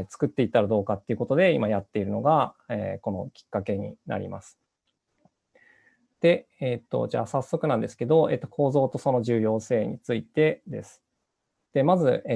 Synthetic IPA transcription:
t͡sɨ̥kɯ̟t̪ːeit̪ːaɾad̪o̞ːkat̪ːeiɯ̟ko̞t̪o̞d̪e̞imajat̪ːe̞iɾɯ̟no̞ɡaḛːko̞no̞̰kʲi̥kːake̞ɲ̟ḭna̰ɾʲḭmʔa̰sɨ̥ | d̪̥e̞ | eːt̪ːo̞̰d͡ʑa̰ːsasːo̞kɯ̟nãnd̪e̞sɨ̥ke̞d̪o̞e̞ːt̪ːo̞kʰo̞ːzo̞ːt̪o̞so̞no̞ʑɨːjo̞ːse̞ːɲ̟ḭt͡sɨit̪e̞d̪e̞̰sɨ̥ | d̪̥e̞mazɨ

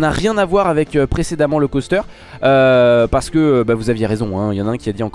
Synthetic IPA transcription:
naʁjɛ̃navwaʁavɛkøpχesed̪amɑ̃ləkɔst̪œʁ | øpaʁsə̥kəbavuzavjeʁezɔ̃ɛ̃jɑ̃naɛ̃kʲiad̪iɑ̃k

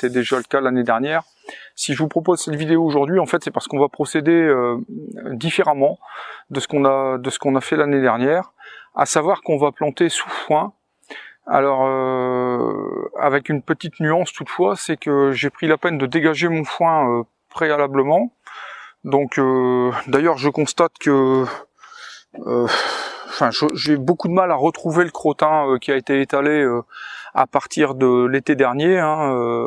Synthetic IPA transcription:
t̪ɛd̪eʒaləkalaned̪ɛʁnjɛːʁ | siʒəvupχɔpozsɛt̪vid̪eoːʒuʁd̪ɥiɑ̃fɛt̪sɛpaʁsə̥kɔ̃vapχɔsed̪eø | d̪ifeʁamɑ̃d̪əsə̥kɔ̃nad̪əsə̥kɔ̃nafɛlaned̪ɛʁnjɛːʁa̰savwaʁkɔ̃vaplɑ̃t̪esufwɛ̃ | a̰lɔʁø | a̰vɛkynpət̪it̪nyɑ̃st̪ut̪fwasɛkəʒepχilapɛnd̪əd̪eɡaʒemɔ̃fwɛ̃ø | pχealabləmɑ̃ | d̪ɔ̃kød̪ajœʁʒəkɔ̃st̪at̪kə | øɑ̃fɛ̃ʒəʒebokud̪əmalaʁət̪χuveləkχot̪ɛ̃økʲiaet̪eːt̪aleøa̰paʁt̪iʁd̪əlet̪ed̪ɛʁnjeɛ̃ø

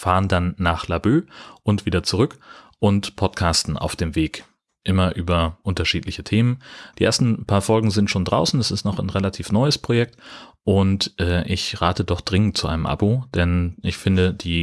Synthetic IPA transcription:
faːʁəndanːaːχlabøːʔʊntv̥iːdɐt͡suʁ̞ʏk | ʔʊntpʰɔtkʰaːstn̩ʔa̰ʊfd̥eːmveːk | ʔɪmɐʔyːbɐʔʊntɐʃiːtlɪçətʰeːmənd̥iːʔḛːɐstn̩pʰaːɐfɔlɡŋ̩zɪntʃoːndʁaʊsn̩dasɪstnɔχanʁelatʰiːfnɔʏəspʁ̥ojɛk̚tʔʊntʔɛːʔɪçʁaːtədɔχd̥ʁɪŋən̩tt͡suʔa̰ɪnəmʔa̰bud̥ɛnʔɪçfɪndəd̥iː

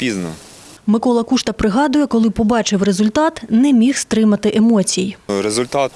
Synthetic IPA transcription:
pʲiznɔ̰ | mɪkɔlˠɐkuʃt̪ɐpɾɪɦɑd̪ʊjɛkɔlˠɪpɔbɑt͡ʃɪwɾezʊlʲt̪ɑt̪nɛmʲixst̪ɾɪmɐt̪ɪʔemɔt͡sʲijiɾezʊlʲt̪ɑt̪

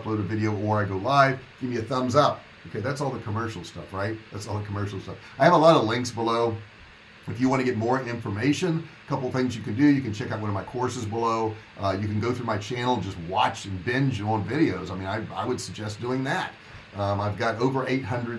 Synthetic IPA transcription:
ploʊɾɨvɪɾioʊə˞aɪɡoʊlaɪvɡ̥ɪvmiɨθʌ̃mzʌp̚ | b̥ɨkʰʌzðætsɔlˠðəkʰəmɜ˞ʃl̩ˠstʌ̰fɹaɪt̪̚ðætsɔlˠðəkʰəmɜ˞ʃl̩ˠstʌf | aɪɨvəlɑɾʌlɪ̃ŋksb̥əloʊ | ɨfjɨwɑ̃ñɨɡɛt̚mɔɹɪ̃ɱfə˞meɪʃɨ̃nkʰʌpl̩ˠθɪ̃ŋzjɨkɨ̃n̩dɨjɨkɨ̃nt͡ʃʰɛkaʊt̚wʌnʌvmaɪkʰɔɹsɨzbəloʊʔjɨkɨ̃n̩ɡoʊθɹʉmaɪt͡ʃʰæ̃nl̩ˠd͡ʒʌst̚wɑt͡ʃɨ̃nbɛ̃nd͡ʒə̃ʊñnvɪɾioʊzaɪmĩnaɪa̰ɪwɨd̥sɨɡ̚d͡ʒɛsd̥uɪ̃ŋðæt̚ | maɪvɡɑɾoʊvə˞ʔeɪt̚hʌ̃ndɹɨd

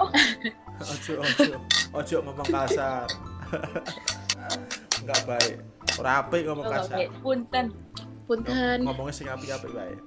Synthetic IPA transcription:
ɔd̥ʒ̥ɔʔɔ̥ɔʔʔɔd̥ʒ̥ɔ̤ʔŋəmɔŋkasar | ŋɡaʔb̥aeʔ | oɾapɪʔŋɔmɔŋkasapunt̪ən | punt̪ʰənŋɔmɔŋesɪŋapiapɪʔb̥aḛʔ

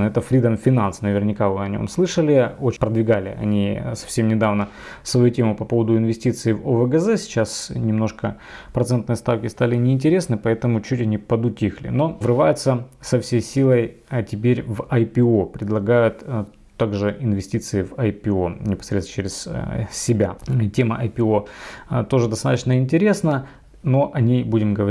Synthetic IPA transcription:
ɛt̪əfɾʲid̪əmfʲɪnansnəvʲɪrnʲɪkavɨɐnʲo̰mslˠɨʂəlʲɪot͡ɕpɾəd̪vʲɪɡalʲɪ̰ʔɐ̰nʲisɐ̥fsʲe̞mnʲɪd̪avnə | svɐjutʲemʊpɐpo̞vəd̪ʊɪnvʲɪsʲtʲit̪sɨɪvovəɡəzɛsʲɪ̥t͡ɕasnʲɪmno̞ʂkə | pɾɐt̪sɛnt̪nɨjəst̪afkʲɪst̪alʲɪnʲɪːnʲtʲɪɾʲe̞snɨpɐɛt̪əmʊt͡ɕutʲɐnʲipəd̪ʊtʲixlʲɪ̰no̞vrɨvajʊt̪səsɐfsʲejsʲilˠəjtʲɪpʲeɾʲvɐjpʲɪo̞pɾʲɪd̪lˠɐɡajʊt̪ | t̪ːaɡʐɨʔɪnvʲɪsʲtʲit̪sɨɪvɐjpʲɪo̞nʲɪpɐ̥sɾʲet̪sə̥t͡ɕeɾʲɪssʲɪbʲatʲeməʔɐjpʲɪot̪o̞ʐɨd̪ɐst̪a̰t̪ət͡ɕnəɪnʲtʲɪɾʲe̞snə | no̞ʔɐnʲejbudʲɪmɡəvɐ

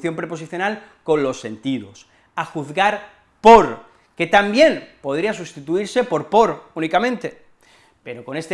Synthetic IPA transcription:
θjo̞mpɾe̞po̞s̬iθjo̞nalko̞nlo̞sːe̞nt̪iðo̞̰s | axuθɣaɾ | poɾ | ke̞t̪ambje̞npo̞ð̞ɾias̬ust̪it̪uiɾse̞po̞ɾpo̞ɾunikamẽnt̪e̞ | pe̞ɾo̞ko̞ne̞st̪e

